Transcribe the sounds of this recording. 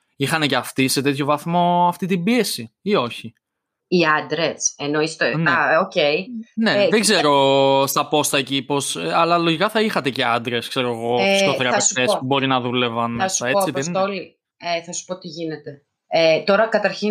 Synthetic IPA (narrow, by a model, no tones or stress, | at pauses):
ixɐne̞ceɐft̪ise̞t̪e̞t̪ço̞vɐθmo̞ɐft̪it̪ibie̞siio̞çi | iɐnd̪ɾeseno̞ist̪enɐoceine̞ðeɡze̞ɾo̞st̪ɐpo̞st̪ɐecipo̞sɐlɐlo̞ʝikɐθɐixɐt̪e̞ceɐnd̪ɾe̞skse̞ɾoeɣo̞isoθeɾɐpeft̪esspubo̞ɾinɐðule̞vɐnɐsɐet͡siðeoli | eθɐsu̥po̞t̪iʝinet̪e̞ | et̪o̞ɾɐkɐt̪ɐɾçi